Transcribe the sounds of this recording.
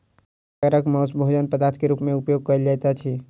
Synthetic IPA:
əɾəkmɔːsbʱoːd͡ʒənpəd̪aːt̪ʰkeɾuːpmẽʊpjoːɡ̚kəɾd͡ʒaːt̪at͡ʃ̪ʰiː

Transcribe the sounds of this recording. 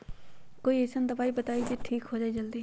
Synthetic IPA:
koːiesənd̪ɐbaːibɐt̪aːid͡ʒeʈʰiːkɦoːd͡ʒaːid͡ʒɐld̪iː

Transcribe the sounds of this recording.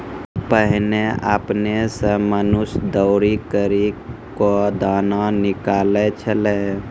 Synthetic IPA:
pəɦɪnea̰ːpnesəmənʊsd̪əʊɾikəɾikod̪aːnanɪkaːlet͡ʃʰəleː

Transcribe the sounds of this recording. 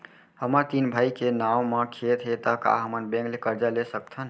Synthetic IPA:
həməɾt̪inbʱaikenawməkʰet̪ɦet̪əka̰ɦəmənbẽŋklekəɾd͡ʒalesək̚t̪ʰən

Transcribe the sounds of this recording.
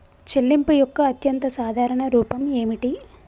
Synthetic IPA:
t͡ʃelːimpujɔkːɐːt̪jɐnt̪ɐsaːd̪ʱaːɾɐɳɐɾuːpɐme̞ːmiʈi

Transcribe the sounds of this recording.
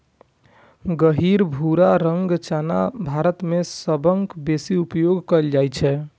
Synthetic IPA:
ɡəɦiɾbʱuɾaɾəŋɡt͡ʃanabʱaɾət̪mesəbəŋkbesiupjoɡkəld͡ʒajt͡ʃʰɛ

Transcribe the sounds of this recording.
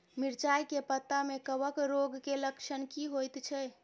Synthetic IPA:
miɾt͡ʃajkepət̪ːamekəbəkɾoɡkeləkʃʰənkiɦojt̪t͡ʃʰɛ

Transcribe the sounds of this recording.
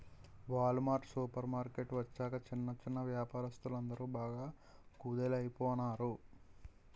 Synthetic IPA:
ʋaːlumaːʈsuːpɐɾmaːɾkeʈʋɐt͡ʃːaːkɐt͡ʃinːɐt͡ʃːinːɐʋjaːpaːɾɐst̪ulɐnd̪ɐɾuːbaːɡaːkuːd̪elɐjipɔːnaːɾu

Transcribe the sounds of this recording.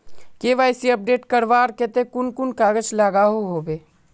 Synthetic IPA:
keːʋaːjsiɐp̚ɖeːʈkəɾʋaːɾket̪ekʊnkʊnkaːɡət͡ʃlaːɡaɦoɦoːbeː

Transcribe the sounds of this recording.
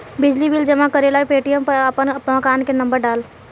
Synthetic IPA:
bɪd͡ʒlibild͡ʒəmakəɾelaepeːʈijəmpəɾəpənəpmakaːnkenə̃mbəɾɖaːl

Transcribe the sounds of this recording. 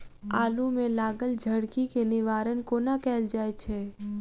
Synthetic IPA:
aːlumẽlaːɡəld͡ʒʱɐɽkikenɪʋaːɾənkonakɛːld͡ʒaːet͡ʃʰeː

